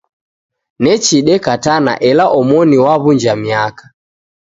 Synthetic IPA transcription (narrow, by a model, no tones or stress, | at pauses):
nɛt͡ʃiɗɛkatana̰ʔɛlaʔɔmɔniwaβuɲd͡ʒamiakḁ